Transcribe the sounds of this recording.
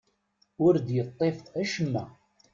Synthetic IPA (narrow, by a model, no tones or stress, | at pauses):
ʊɾd̪jət̪ˤːefæʃəmːæ